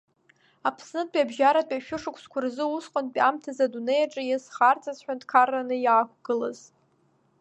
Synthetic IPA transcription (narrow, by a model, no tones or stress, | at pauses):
apʰsnɨd̚pʼabʒaɾapʼaʃᶣʊʂɨkʷʰskʷʰʊrzɨusqʷʼʊnpʼamtʰazadunejaʈ͡ʂʼɨjasχart͡sʰazħᶣantkʰarːanɨjaːkʷʰɡ̥ɨlaz